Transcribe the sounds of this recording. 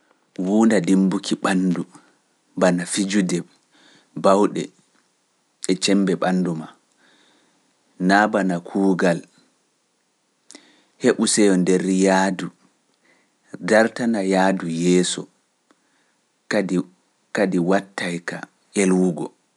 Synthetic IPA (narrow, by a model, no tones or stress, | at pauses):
wuːndadimbukʰiɓandu | banafid͡ʒudɛ | bawɗɛ̰ | ɛt͡ʃɛmbɛɓanːduma | nabanakʰuːɡal | heɓusɛjɔndɛɾjaːdu | daɾtanajaːdujɛːsɔ̰ | kadiwatːajka̰ | elwuɡɔ